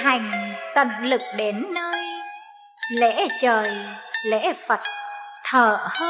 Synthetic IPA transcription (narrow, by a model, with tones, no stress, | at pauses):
ha˨˩jŋ̟t̪ə̰˧˨nlɨ˨˩k̚ɗe˨˦nːəː˧j | lḛ˧˥t͡ɕəː˨˩jlḛ˧˥fə˨˩t̚t̪ʰəː˧˩həː˧